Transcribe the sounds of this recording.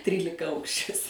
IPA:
ˈtʲrʲiːlʲɪkɐˌɐʊkʃʲɪs

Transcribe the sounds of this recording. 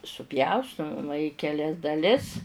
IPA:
sʊˈpʲjɛʊstʊ mɐˈmɐ ɪ kʲɛˈlʲɛs dɐˈlʲɪs

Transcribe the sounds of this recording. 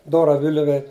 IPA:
ˈdoːrɐ ˈʋʲɪlʲʊʋʲɛ

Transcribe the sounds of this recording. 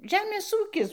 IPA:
ˈʒʲæːmʲeːs ˈuːkʲɪs

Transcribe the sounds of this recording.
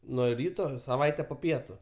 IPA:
ˈnuɔ ˈrʲiːtoː sɐˈʋɐɪtʲɛ poː ˈpʲiɛtʊ

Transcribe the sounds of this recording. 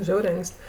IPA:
ˈʒʲɛʊrʲɛɪ ˈɐŋʲkʲsʲtʲ

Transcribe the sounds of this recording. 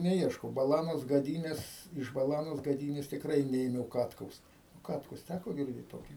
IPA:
nʲɛˈiɛʃkɐʊ bɐˈlˠɑːnoːs ɡɐˈdʲiːnʲeːs ɪʃ bɐˈlˠɑːnoːs ɡɐˈdʲiːnʲeːs tʲɪkˈrɐɪ ˈnʲɛeːmʲɛʊ ˈkɑːtkɐʊs ˈkɑːtkʊs ˈtʲækoː ɡʲɪrʲˈdʲeːt ˈtoːkʲiː

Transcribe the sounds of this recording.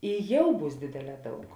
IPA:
ɪ ˈjɛʊ ˈbuːs ˈdʲeːdʲeːˌlʲɛː ˈdɐʊk

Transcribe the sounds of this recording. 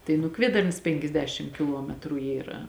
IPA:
tɐɪ nʊ ˈkʋʲiɛdɐrnɐs pʲɛŋʲkʲɛzʲˈdʲæːʃʲɪm kʲɪˈlˠuɔmʲɛtrʊ ˈiːrɐ

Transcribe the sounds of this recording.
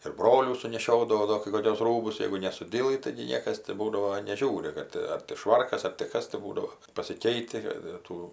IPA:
ɪr ˈbroːlʲuː sʊnʲɛˈʃʲoːdɐʋɐʊ ˈdoː kɐɪ koːˈkʲʊs ˈruːbʊs ˈjɛɪɡʊ nʲɛsʊˈdʲiːlˠɨ tɐɪɡʲɪ ˈnʲiɛkɐs tʲɪ ˈbuːdɐʋoː nʲɛˈʒʲuːrʲɪ ˈkɐt ɐr tʲɪ ˈʃʋɐrkɐs ɐr tʲɪ ˈkɐs tɐɪ ˈbuːdɐʋoː pɐsʲɪˈkʲɛɪtʲɪ kɐt ɪr ˈtuː

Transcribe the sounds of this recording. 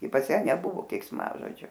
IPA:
ɪ pɐs ˈjæː nʲɛˈbʊʋoː kʲɛɪksˈmɑːʒoːd͡ʒʲʊ

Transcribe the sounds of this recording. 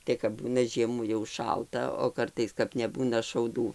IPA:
ˈtɐɪ kɐp ˈbuːnɐ ˈʒʲiɛmuː jɛʊ ˈʃɐlˠtɐ oː ˈkɐrtɐɪs kɐp nʲɛˈbuːnɐ ʃɐʊˈduː

